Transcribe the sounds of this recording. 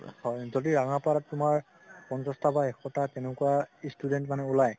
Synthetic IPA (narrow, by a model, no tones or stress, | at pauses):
hɔjzodiɹaŋapalaːʊmaɹ | pɔntɔstabaɛxɔtatɛnɛkuwastudɛntmanɛulaj